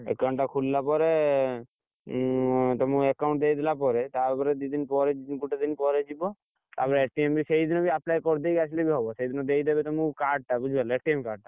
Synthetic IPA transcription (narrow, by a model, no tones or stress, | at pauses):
ḛkɡɔɳʈakʰulːapɔɾe | t̪ɔmũekawɳʈ̚d̪ejd̪elapɔɾet̪abɔɾed̪id̪inpɔɾed͡ʒinkuʈad̪inpɔɾed͡ʒibɔ | t̪a̰pɔɾeʈiembisejd̪inobiaplajkɔɾd̪ejkat͡ʃʰlebiɦɔbɔsejd̪inod̪ejd̪ebet̪ɔmũkaɾɖ̚ʈabud͡ʒʱbalaeʈiemkaɾɖ̚ʈ̪a